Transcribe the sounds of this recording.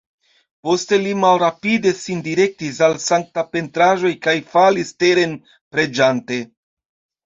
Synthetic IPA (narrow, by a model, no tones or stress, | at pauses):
po̞ste̞limalɾapide̞sindiɾe̞k̚tis̬alsaŋk̚tape̞ntɾaʒo̞jkajfaliste̞ɾe̞n | pɾe̞d͡ʒante̞